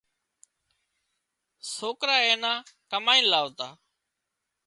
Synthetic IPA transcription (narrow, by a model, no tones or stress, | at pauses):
soːkɾaːeːnãːkəmaːĩːnlaːʋot̪aː